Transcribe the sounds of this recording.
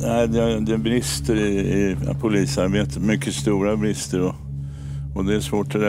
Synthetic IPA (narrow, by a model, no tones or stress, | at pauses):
næɪd̪ɛd̪ɛbɾɪst̪əɾɪɪpʰʊliːsaɾbeːt̪ət̪mʏkʰːəst̪uːɾabɾɪst̪əɾɔ | ɔd̪ɛːʂvoːʈɛɾɛ